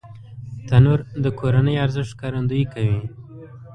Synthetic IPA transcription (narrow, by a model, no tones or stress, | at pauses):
t̪anuɾd̪əkʰoɾanəjaɾzɪʂt̪̚kaɾand̪ujikawi